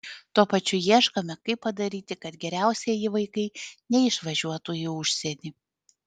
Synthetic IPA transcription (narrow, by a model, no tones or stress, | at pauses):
t̪uɔpɐt͡ʃʲʊjiɛʃkɐmʲɛkɐɪpːɐd̪ɐɾʲiːt̪ʲɪkɐt̪ɡʲɛɾʲæˑʊsʲiɛjɪʋɐɪkɐɪnʲɛɪʃʋɐʒʲuɔt̪ujɪʊʃʲsʲɛnʲiː